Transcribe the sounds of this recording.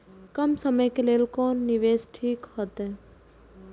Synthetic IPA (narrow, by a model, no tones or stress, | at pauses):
kɐmsəməjkeleːlkoːnːiʋeːsʈʰiːkhɔt̪e